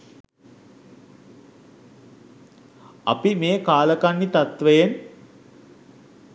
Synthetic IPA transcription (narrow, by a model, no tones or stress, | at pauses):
a̰pimeːkaːləkanːit̪at̪ʋəjen